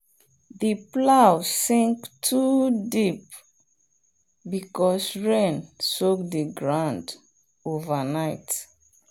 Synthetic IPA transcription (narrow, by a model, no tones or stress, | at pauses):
ðəplawsĩŋktʰudip̚ | bikɔsɹẽnsok̚dəɡɹãnd | ovənaɪt